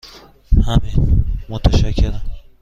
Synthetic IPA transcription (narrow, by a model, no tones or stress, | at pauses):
hæminmot̪ʰæʃæcʰːeɾæm